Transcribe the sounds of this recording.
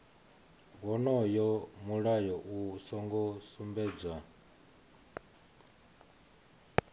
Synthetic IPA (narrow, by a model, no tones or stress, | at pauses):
ɡɔnɔjɔmuɺajɔʔusɔŋɡɔsumbɛːd͡zwa